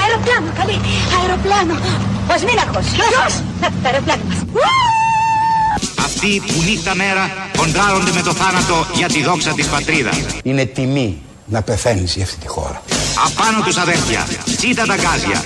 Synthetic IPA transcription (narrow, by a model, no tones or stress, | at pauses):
ɐeɾoplɐnokɐliɐeɾoplɐnoozminɐxosos | ɐt̪ɐeɾoplɐno | ɐ̰ft̪ipunit̪ːɐme̞ɾɐko̞nd̪ɾɐɾo̞nd̪eme̞t̪oθɐnɐt̪o̞ʝɐt̪iðo̞ksɐt̪ispɐt̪ɾiðɐ̰sine̞t̪imi | nɐpeθe̞niziɐft̪i̥t̪i̥xo̞̰ɾɐɐpɐnot̪usɐðelθjɐ̰t͡sit̪ɐt̪ɐɡɐzʝɐ̰